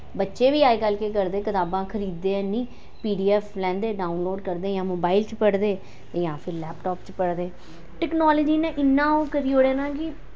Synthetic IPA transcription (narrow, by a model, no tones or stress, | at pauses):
bətːʃeːʋiːaːeːkəlkeːk̬əɾd̪eːkət̪aːbãːkʰəɾiːd̪ːeːɛ̃nĩː | piːɖiːɛːflɛ̃ːnd̪eːɖaːʊnloːɖkəɾd̪eːjãːmoːbaːɪlt͡ʃpəɽd̪eː | jãːpʰɪɾlɛːpʈɔːpt͡ʃpəɽd̪eː | ʈɛːknɔːləd͡ʒiːnẽːʔɪnːãːõːkəɾiːoːɽeːnãːkɪ